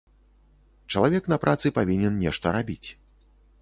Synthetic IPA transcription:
t͡ʂɐlˠavʲɛknɐpɾʔat̪sɨpavʲinʲɛnnʲɛʂt̪ɐɾabʲit͡sʲ

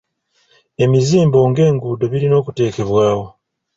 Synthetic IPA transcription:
e̞miziːmbo̞ːŋɡe̞ːŋɡuːdo̞βiɾino̞ːkute̞ːke̞βwaːwo̞

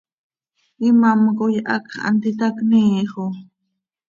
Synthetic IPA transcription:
ɪmamkojʔɑkχa̰nt̪ɪt̪akniːχo

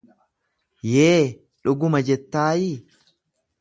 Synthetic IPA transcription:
jeː | ᶑʊɡʊmɐd͡ʒɛt̪ːaːji

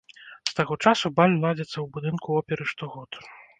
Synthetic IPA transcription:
st̪aɣɔt͡ʂasubalʲlˠad͡zʲɛt̪sːɐwbud̪ɨnkuɔpʲɛɾɨʂt̪ɔɣɔt̪

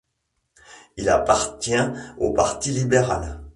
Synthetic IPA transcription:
ila̰paʁt̪jɛ̃opaʁt̪ilibeʁa̰l

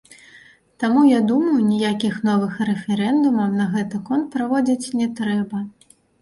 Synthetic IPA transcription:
t̪amujad̪umɐjunʲijakʲixn̪ɔvɨxrɛfʲɛɾɛnd̪umɐwnɐɣɛt̪ɨkɔnt̪̚pɾavɔd͡zʲit͡sʲnʲɛt̪ɾɛbɐ

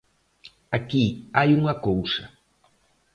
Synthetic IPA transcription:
akiajuŋɐkowsɐ

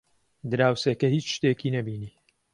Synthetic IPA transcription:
d̪ɨɾaːwsekɐhiːt͡ʃʃt̪eːkiːnɐbiːniː

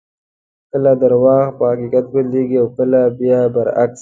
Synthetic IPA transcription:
kəlad̪ɐɾwɑːɣpəhɐkiːkat̪̚bəleːɡiawkəlabijabɐɾa̰ks

